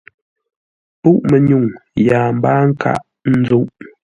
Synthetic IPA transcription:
pu˦ʔmə˨ɲu˦˨ŋja˨m̩˦baː˦ŋ̩˦ka̰˦ʔ | n̩˦d͡zo˦ʔ

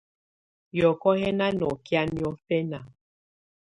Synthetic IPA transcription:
jɔ˨kɔ˦ɦɛ˦na˦nɔ˨kja˦njɔ˦fɛ˦na˨

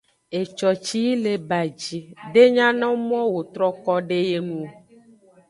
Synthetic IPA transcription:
e˨t͡ʃɔ˨t͡ʃi˦le˨ba˨d͡ʒi˨ɖe˦ɲã˦nɔ̃˦mɔ̃˦wo˨t̪ɾɔ˦kɔ˦ɖe˦je˦nũ˨

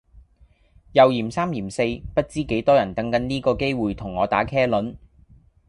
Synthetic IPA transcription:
jɐ˨wjiː˨˩msaː˥mjiː˨˩mse˧jpɐ˥t̚t͡siː˥ke˨˥jt̪ɔː˥jɐ˨˩nt̪ɐ˨˥ŋkɐ˨˥nliː˥kɔː˧ke˥jwuː˨jt̪ʰʊ˨˩ŋːɔː˨˧t̪aː˨˥kʰɛː˥lɵ˨˥n

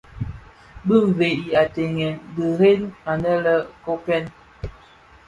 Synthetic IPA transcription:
bɨ˦ɱ˨ve˨ʔi˨a˨tɛ˨ŋɛ˨nbə˨ɾe˦na˨nə˦lə˦ko˦pɛ˦n

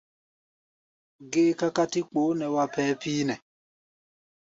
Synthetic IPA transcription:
ɡe˦ka˦ka˦ti˦k͡po˨˦nɛ˨wa˦pɛː˦piː˦nɛ˨

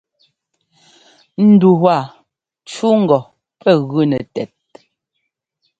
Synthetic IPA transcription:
n̩˨du˨wa˨ | t͡ʃu˦ŋ̩˨ɡɔ˨ | pɛ˦˨ɣʉ˦nɛ˨tɛ˨t̚

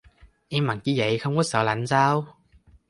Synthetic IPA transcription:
ʔɛː˧mːa˨˩nt͡ɕi˨˦zə̰˨˩jxə˧wŋ͡mkɔ˨˦səː˧˩la̰˨˩˦ŋ̟saː˧w

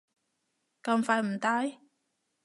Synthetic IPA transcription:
kɐ˧mfaː˧˥jm̩˨˩t̪aː˧j

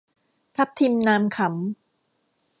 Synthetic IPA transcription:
pʰa˦˥p̚t̪ʰiː˧mnaː˧mkʰa˩˦m

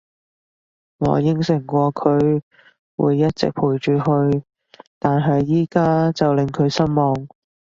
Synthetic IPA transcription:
ŋɔ̰ː˨˧jɪ˥ŋsɪ˨˩ŋkʷɔː˧kʰɵ˨˧ɥ | wṵː˨˧jːɐ˥t̚t͡sɪ̰˨k̚pʰuː˨˩jt͡ʃyː˨˧ɦɵ˧ɥ | t̪aː˨nɦɐ˨jːiː˥kaː˥t͡sɐ˨wlɪ˨ŋkʰɵ˨˧ɥsɐ˥nmɔː˨ŋ

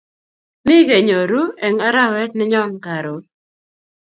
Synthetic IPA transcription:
mɪ˦ɡe˨ɲo˨ɾu˦ɛ˨ŋa˦ɾa˦wɛ˦t̚nɪ˦ɲɔ˦ŋka˨ɾo˨˦

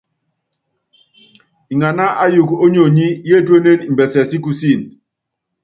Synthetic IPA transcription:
i˨ŋa˨na˦ʔa˦ju˨ko˦ɲo˨ɲi˦je˦˨twe˦ne˦ni˨m˨bɛ˨sɛ˨si˦ku˦si˦˨n

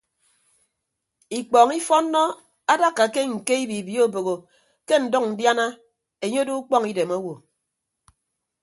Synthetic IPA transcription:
i˨k͡pɔ˨ŋi˦fɔ˦nːɔ˦ | a˦da˦kːa˨ke˦ŋ̩˨ke˦i˦bi˨bji˦o˦bo˨ɣo˨ | ke˦n̩˨dɔ˦k̚n̩˨dja˦na˦ | e˨ɲo˦do˦u˦k͡pɔ˦ŋi˦de˨mo˦wo˨

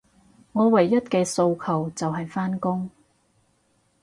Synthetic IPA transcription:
ŋɔː˨˧wɐ˨˩jːɐ˥t̚kɛː˧so˧wkʰɐ˨˩wt͡sɐ˨wɦɐ˨jfaː˥nkʊ˥ŋ

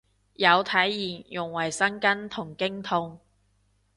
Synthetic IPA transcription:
jɐ˨˧wt̪ʰɐ˨˥jːiː˨˩jʊ˨˩ŋwɐ˨˩jsɐ˥nkɐ˥nt̪ʰʊ˨˩ŋkɪ˥ŋt̪ʰʊ˧ŋ

